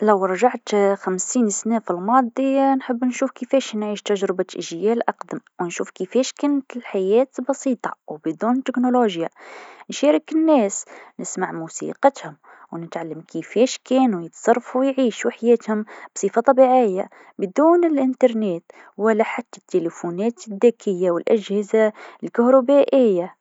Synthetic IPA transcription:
læwɾˤɑʒaʕt̪xæmsiːnsnæfilmɑːd̪ˤinħəbːnʃuːfkəfɛːʃnʕiːʃt̪aʒɾɪbaʔɪʒjæːlʔɑqd̪əmwnʃuːfkəfɛːʃkʊnːt̪ɪlħajæːt̪bɑsˤiːt̪ˤɑwbd̪uːnt̪ːɪknoloʒjanʃæːɾɪkɪnːɛːsnɪsmaʕmuːsḭqɑt̪hʊm | wnɪt̪ʕalːamkifɛːʃkɛːnujɪt̪sˤɑrˤːɑfuwjʕiːʃwħajɛːt̪hʊmb̥sˤiːfɑt̪ˤɑbiːʕɪjːa | bɪd̪uːnɪlʔɪnt̪ɑɾˤneːt̪ | wɪlːaħat̪ːḁt̪ːelefunɛːt̪ɪðːeːkʰɪjːawɪlʔaʒhɪzalkʊhɾɑbaːʔɪjːa

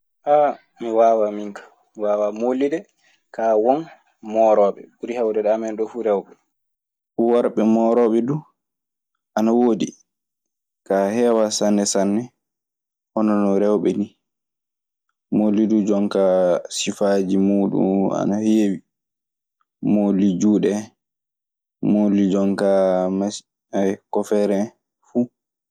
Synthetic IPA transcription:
ʔa | miwaːwamiŋkḁ | miwaːwamolːidɛ | kawɔn | mɔɾɔɓɛ̰buɾihawdɛɗamɛnɗɔfuɾɛwɓɛ | fuwaɾɓɛmɔːɾɔɓɛdu | ʔanawoːdi | kahɛːwasanːɛsanːɛ | ʔɔnɔnɔɾɛwɓɛni | molidud͡ʒɔŋkasifaːd͡ʒimuːɗṵna̰nahewi | molid͡ʒuːɗɛ | molid͡ʒɔŋkama | akɔfɛɾɛ | fu

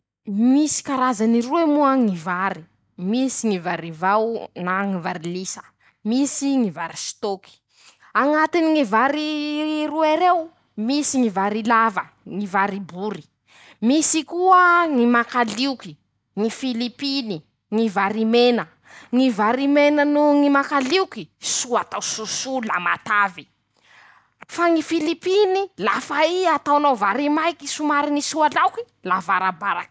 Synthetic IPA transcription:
misi̥kaɾazaniɾuemuəŋivaɾi | misiŋivaɾivawnaŋivaɾilisə̥ | misiŋivaɾist̪oki̥ | aŋat̪iniŋivaɾiruaɾew | misiŋivaɾilavə | ŋivaɾibuɾi̥ | misikuəŋimakaliuki̥ | ŋifilipini | ŋivaɾimenə | ŋivaɾimenənuŋimakaliukisuat̪awsusulamat̪avi | faŋifilipinilafaiat̪awnowvaɾimajkisumaɾinisualawki̥ | lavaɾabaɾak

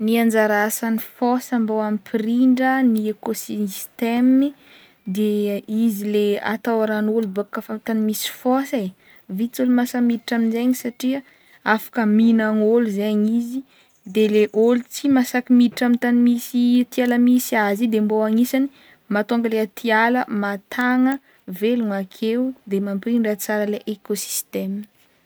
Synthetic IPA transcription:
niand͡zaɾasanifosəmbowamipʰiɾiɳɖ͡ʐəniekosist̪emi | d̪eizilea̰t̪awaɾanolubakːafamt̪animisi̥fosa | vit͡sulumasamiɾiʈ͡ʂaminzeɲisaʈ͡ʂiə | afḁkəminaŋoluzaaɲizi | d̪eleʔolut͡simasakimiɾiʈ͡ʂamit̪animisit̪ialamisiazid̪emboaŋisani | mat̪oŋɡəleat̪ʰialəmat̪ʰaŋə | veluŋakʰewud̪emampriɳɖ͡ʐat͡saɾəleʔekosi̥st̪em

